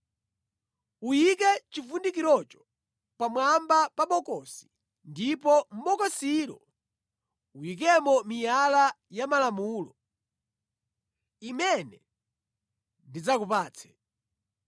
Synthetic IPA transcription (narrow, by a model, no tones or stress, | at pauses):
ujik̬ɛt͡ʃifundik̬iɾɔt͡ʃɔ̥ | pamwambapaɓɔkɔsi̥ | ndipɔm̩ɓɔkɔsiɾɔ | ujik̬ɛmɔmijala | jamalamuːlɔ | imɛnɛ | ndid͡zakupaːt͡sʰɛ̥